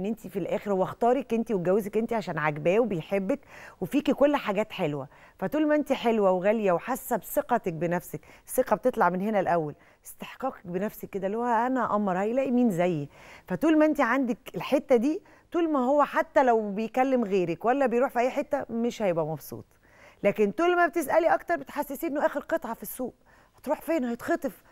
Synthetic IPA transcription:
ʔenːʔent̪ifilʔæːxeɾwɑxt̪ɑːɾˤekʔent̪iweɡæwːezekʔent̪iʕaʃæːnʕaɡbæːwebejħebːækwefiːkikolːħaɡæːt̪ħelwæ | fæt̪uːlmæʔent̪iħelwæwɣæljæweħasːæbseqɑt̪ek̚benæfsæksːeqɑb̚et̪et̪ˤlɑʕmenhenælʔæwːæl | ʔest̪eħqɑːke̥k̚benæfsækːed̪ælːhohæʔænæʔɑmːɑɾˤhæjlæːʔimiːnzæjːfæt̪uːlmæʔent̪iʕand̪ækelħet̪ːæd̪iː | t̪uːlmæɦowːæħat̪ːælæwbejkælːemɣeːɾækwælːæbejɾuːħfiʔæjːħet̪ːæmeʃhæjebʔæmɑbsˤṵːt̪ˤ | læːkent̪uːlmæbet̪esʔæliʔɑkt̪ɑɾˤbet̪ħasːesiːʔenːoʔæːxeɾqet̪ˤʕɑfisːuːʔ | hæ̥t̪ɾuːħfeːnhæjt̪xɑt̪ˤef

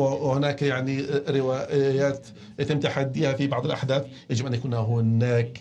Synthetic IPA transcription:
hɪnaːkjaʕniɾɪwajaːt̪ | jat̪ɪmːt̪aħad̪ːiːhafibɑʕðˤɪlʔaħd̪aːθ | jad͡ʒɪbʔanjakuːnhaɦɪnaːk

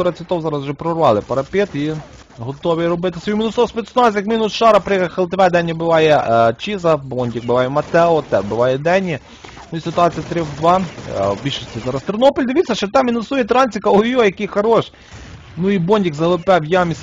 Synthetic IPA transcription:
ɔɾɐt͡sʲit̪ɔwzɑɾɐzʒɛpɾɔrʋɑlˠɪpɐɾɐpʲet̪i | ɦɔt̪ɔʋʲiɾɔbɪt̪ɪsɔiminʊsɔspet̪snɔs̬ʲjɐkminʊsʃɑɾɐpɾkɐxɐlˠt̪ʋɛd̪ɛnʲːɐbɪʋɑjɛt͡ʃizɐbɔnʲdʲik̚bɪʋɑjɛmɐt̪ɛɔt̪ɛbɪʋɑjɛd̪ɛnʲːi | nʊisɪt̪ʊɑt͡sʲijɐt̪ɾɪʋɑbʲilʲʃɪsʲtʲizɑɾɐst̪ɪɾnɔpɔlʲd̪ɪʋʲit̪t͡sʲsʲɐʃt͡ʃɛt̪ɛminɔsujɛt̪ɾɑnʲt͡sʲikɐlˠɔjujɐkixɐɾɔʃ | nʊibɔnʲdʲikzɐɦlˠʊpɛwjamʲis

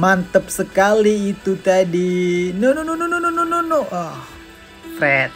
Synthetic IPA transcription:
mant̪əp̚səkaliːt̪ut̪adinononononononononoʔɔh | t̪ɾɛt̪̚

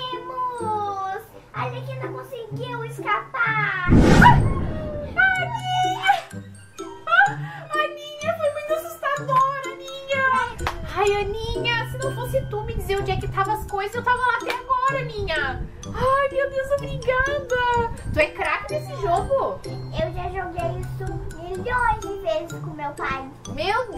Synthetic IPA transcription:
emʊ | s | alɐkɪnɐ̃w̃kõsɪɡiwɪskapaɾ | aniɲɐ | ɐnĩɲɐfojmũj̃t̪uasust̪ad̪oɾɐmĩɲɐajɐ̃nĩɲɐsɪnɐ̃w̃fosɪt̪umɪd͡ʒɪzeɾʊ̃d͡ʒiɐkɪt̪avɐɐskojzɐzewt̪avɐlat̪ɛɡɔɾɐmĩɲɐ | ajmewd̪ewzobɾĩɡɐd̪ɐt̪uɛkɾakɐd̪esɪʒoɡʊewʒaʒoɡejisʊmiʎõj̃zd͡ʒɪvezɪskõmewpaj | meʊ

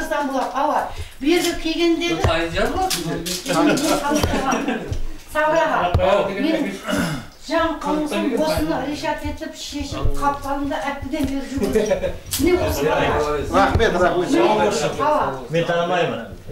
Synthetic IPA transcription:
zd̪ɑnbolˠɑt̪ɑwɑbeɾd̪ʲɪkʲʰe̞ɡʲe̞nd̪e̞ɪj̪ɑzlˠɑsnbeqʰɑlˠt̪ɑʁɑ | sɑbɾɑʁɑme̞nɪŋ | ʒ̥ɑɴqʰəlˠəɴsɑbo̞sənəɾeʃɑt̪e̞t̪ɪpʃe̞ʃɪp̚qʰɑp̚q̪ɑlˠəmd̪ɑʔæp̚t̪ːɪd̪e̞nbeɾʒɪɡmɪne̞wosɑɾɑχmet̪ɑχmemeoɑwɑment̪ʰɑnəmɑjmən

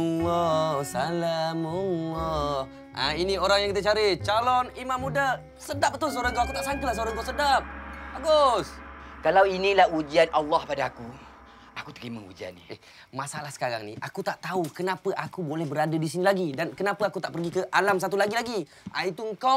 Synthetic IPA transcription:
ɔsalaməlɔ | ʔa̰inioɾaŋjaŋkit̪ət͡ʃaɾit͡ʃalɔnimãmːuda | sədap̚ət̪ʊs̬oɾəɡoakut̪aʔsaŋt̪ulahs̬oɾəŋɡosədap̚aɡoskalawinĩlahud͡ʒianalːɑhpadaːku | ʔakut̪əɾiməṵd͡ʒia̰nːḭ | masalahsə̥kaɾa̰ŋnḭʔa̰kut̪aʔt̪aukənapəʔakubolɛhbəɾadadisinilaɡidankənapəakut̪aʔpərɡikəʔalams̬at̪̬ulaɡilaɡi | ʔait̪uəŋka

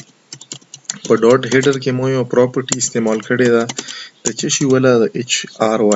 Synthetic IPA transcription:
pəɖoːɖɦeɖəɾkemojõpɾɔːpəɾʈiɪst̪eːmaːlkəɽed̪aːd̪̥ət͡ʃɐʃiwɐlad̪ɐʔet͡ʃaːɾwa

